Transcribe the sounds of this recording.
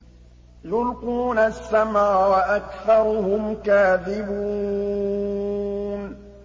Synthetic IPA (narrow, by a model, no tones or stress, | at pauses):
jʊlquːnasːamaːwaʔakθɑɾˤʊɦʊmkaːðɪbuː | n